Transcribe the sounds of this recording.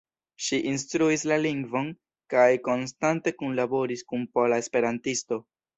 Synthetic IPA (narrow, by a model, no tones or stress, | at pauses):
ʃiʔinstɾuislaliŋɡvo̞n | kajko̞nstante̞kunlabo̞ɾiskunpolaespe̞ɾantisto̞